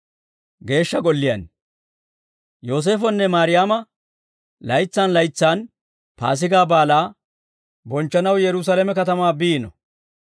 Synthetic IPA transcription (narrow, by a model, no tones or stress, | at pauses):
ɡe̞ːʃːɐɡɔlːɪjɐ̰n | jo̞ːs̬e̞ːfɔnːɛmaːɾɪjaːmɐ | lɐjt͡sːaːnlɐjt͡sːaːn | pa̰ːs̬ɪɡaːbaːlaː | bɔnt͡ʃːɐnɐwjɛɾʊs̬alemɛkɐt̪ɐmaːbiːnɔ̰